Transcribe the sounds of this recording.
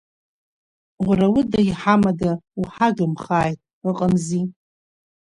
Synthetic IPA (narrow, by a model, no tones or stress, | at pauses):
ʁʷrawʊdajħamadauħadʊmχaːjtʼ | ɨqʼəmzi